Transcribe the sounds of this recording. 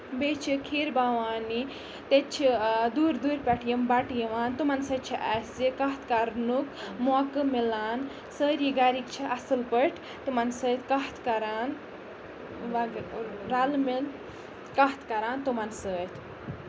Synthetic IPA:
bet͡ʃʰikʰiːɾbaʋaːni | t̪et͡ʃʰid̪uːɾd̪uːɾpʲɐʈʰjɐmbɐʈjiʋaːnt̪umɐnsət̪̚t͡ʃʰiʔaszikɐɦt̪kaɾnukmoakɨmilaːn | səːɾjiɡaɾikt͡ʃʰiʔɐsɨlpəʈʰ | t̪umɐnsəːt̪ʰkɐɦt̪ʰkɐɾaːn | ʋɐɾɐlmil | kɐɦt̪ʰkɐɾaːnt̪umɐnsəːt̪ʲʰ

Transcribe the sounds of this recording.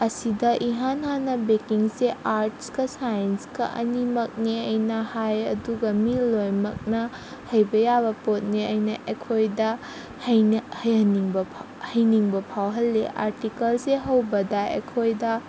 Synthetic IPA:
ɐsidɐʔiɦanɦanɐbekiŋseaɾt̚skɐsajɐnskɐ̰ʔɐ̰nimɐk̚neɐjnɐhajɐduɡɐmilːojmɐk̚nɐ | hɐjbɐjabɐpot̚neɐjnɐʔekʰojdɐ | hɐhɐjɐniŋbɐ | hɐjniŋbɐpʰawɦɐlːeʔa̰ɾtikɐlseɦɐwbɐdɐḛkʰojdɐ

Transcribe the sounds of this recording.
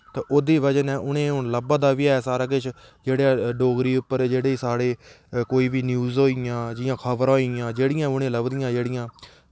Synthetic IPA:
t̪ːʔoːd̪iːʋəd͡ʒənɛ̃ːʔʊñẽːɦʊɳləbãːd̪aːʋiːɛːsaːɾaːk̬ɪt͡ʃʰ | d͡ʒeːɽãːɖoːɡɾiːʊpːəɾd͡ʒeːɽeːsaːɽeː | koːiːʋiːnjuːzɦoːiãːd͡ʒɪjãːkʰəʋəɾɦoːiɪjãːd͡ʒeːɽɪjãːʊnẽːləbd̪ɪjãːd͡ʒeːɽɪjãː

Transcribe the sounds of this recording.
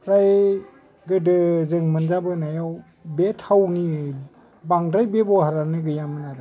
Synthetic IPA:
ɾaj | ɡɯdɯzɯŋmɯnzabɯnajaw | betʰawni | baŋdɾajbebɔhaɾanɯɡɯjamɯnaɾa

